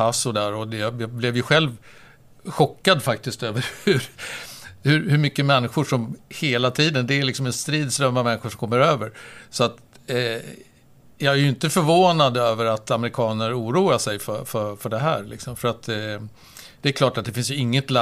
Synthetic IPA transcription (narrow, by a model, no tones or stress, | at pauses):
asɔd̪æːɾɔd̪ɛblɛvjɵɧɛlv | ɧɔkːad̪fak̚t̪ɪst̪øːvəɾhʉɾ | hɵɾhɵɾmʏkːəmɛnːɪɧʊʂɔmheːlat̪ʰiːd̪ənd̪ɛælɪksɔmɛnst̪ɾiːd̪sɾœmːavmɛnːɪɧʊʂɔmkʰɔmːəɾøːvəɾsɔat̪ | jɑːɡæɾjɵɪnt̪əfœɾvoːnad̪øːvəɾat̪amɛɾɪkʰɑːnəɾuːɾuːaʂɛjfœfœfœɖɛɦæ̰ːɾlɪ̰ksɔmfœɾat̪ | d̪̥ɛæːɾkʰlɑːʈat̪d̪ɛfɪnsjɵɪŋːət̪la